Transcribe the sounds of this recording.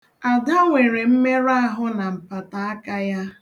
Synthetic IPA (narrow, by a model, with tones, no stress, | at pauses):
a˨da˦ŋʷe˨ɾe˨m̩˦me˦ɾa˦a˦˨ɦʊ˦na˨m̩˨pa˨ta˨a˦ka˦ja˦